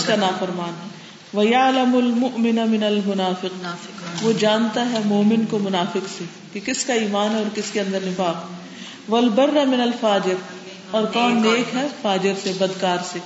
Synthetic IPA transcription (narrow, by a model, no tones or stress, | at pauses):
skanaːfɐɾmaːn | ʋɐjɐlɐmʊlmʊʔmɪnamɪnɐlmʊnaːfɪq | ʋod͡ʒaːnt̪aɦɛmoːmɪnkomʊnaːfɪqse | kekɪskaiːmaːnɦɛɔːɾkɪskeɐ̃nd̪əɾnɪfaːkɛ | ʋɐlbɐrːamɪnɐlfaːd͡ʒɪɾ | ɔːɾkɔːnːeːkɦɛfaːd͡ʒɪɾsebɐd̪kaːɾseː